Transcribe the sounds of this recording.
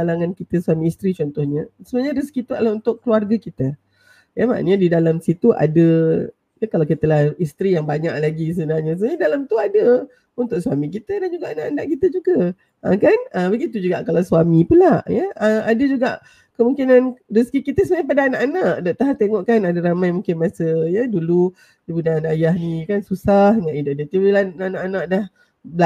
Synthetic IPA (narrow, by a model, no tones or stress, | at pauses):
alaŋankit̪əsuamiːst̪ɾit͡ʃɔnt̪ɔhɲəsəbənaɲəɾəskit̪uaʔlaunt̪ʊʔkːluarɡəkit̪ə | jama̰ʔnɲadidalamsit̪uʔa̰də | jakalakiət̪əlahist̪ɾijaŋbaɲa̰ʔlaɡis̬əbənalɲasəəɲaidalamt̪uadə | unt̪ʊkswamik̬it̪ədand͡ʒuɡaʔanaʔanaʔkit̪əd͡ʒuɡə | ʔəkanəbəɡit̪̬ud͡ʒuɡaʔkalawswamipunlajəəadəd͡ʒuɡa̰ʔ | kəmũŋkinandisə̥kikit̪əsəbaɲap̬adaːnaʔanaʔdaʔt̪aɦat̪eŋɔʔkanadaɾamãjmũŋkɪnmasəjədulu | dibunanajaɦnikansusahŋaʔidaʔdət̪iwilananaʔanaʔdah | bəla